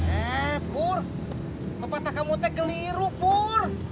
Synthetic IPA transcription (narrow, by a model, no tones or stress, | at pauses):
ɛpʊr | pəpat̪akamut̪ɛkəliɾupur